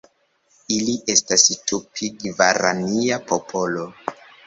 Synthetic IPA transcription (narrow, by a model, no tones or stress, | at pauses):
iliʔe̞stastupʰiɡvaɾa̰niapʰopʰo̞lo